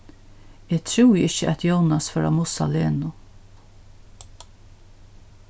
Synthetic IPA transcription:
ɛːt̪ʰɾuwjɪɕːəʔɛt̪ʰjownasfœːɾamʊsa̰leːnʊ

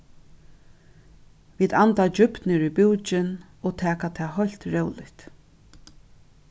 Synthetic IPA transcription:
viːd̪ant̪ad͡ʒʏp̪nɪɹʏbuːt͡ʃɪn | oːt̪ʰɛːkat̪ʰɛːɦɔjl̥t̪ɹɛwlɪht̪

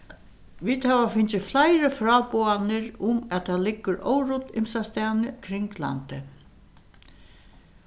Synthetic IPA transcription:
ʋiːd̪hæʋafɪnt͡ʃɪflajɾəfɾɑːpoːanɪɾʊmæt̪ʰalɪkːʊɾɔ̰wɾʊt̪ɪ̰msast̪æːnɪkʰɾɪŋkla̰nt̪ɪ

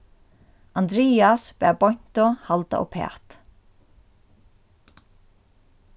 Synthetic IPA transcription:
and̪ɾiːasbɛːbɔjn̥t̪ɔhalt̪a̰ʔɔ̰pʰɛ̰ːt̪

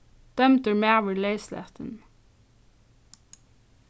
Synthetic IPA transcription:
d̪̥œmt̪əɹmeæʋəleɪslɛ̰t̪ʰən

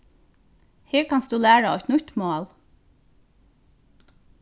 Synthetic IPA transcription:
heːɹkʰɑnsd̪ʉːlæːɹəɔt̪nʉt̪moːl

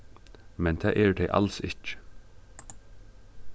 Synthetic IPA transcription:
mɛnt̪ʰæ̰ːʔɛːɹd̪ɛʔɑ̰lsɪcə̥

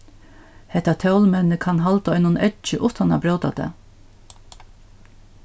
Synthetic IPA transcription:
hɛht̪at̪ʰɛwlmɛnːɪkʰanɦalt̪aɔʏjnʊnɛtt͡ʃɪʔʊht̪ana̰bɾœːwt̪a̰t̪ɛ̰

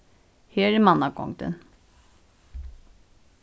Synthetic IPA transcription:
heːɾɛmanːakɔ̰ŋd̪ə̰n

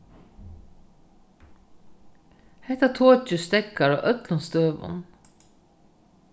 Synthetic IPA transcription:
hæɪt̪ɑt̪ʰoːc͡çʉst̪ɛkɑɹo̰ːʔœklʊnst̪øːʋʊ̰n

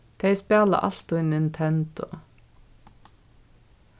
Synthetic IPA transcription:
t̪ʰeeɪspeːlɑ̰ʔɑ̰lt̪ʊɪnɪnt̪ʰɛnd̪̥ʊ

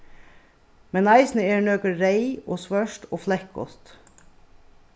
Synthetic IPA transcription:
mɛnɑɪsn̩əeːɳøːkəɾɾeɪo̰ːsʋœʃʈo̰ːflɛk̚ɡɔ̰t̪

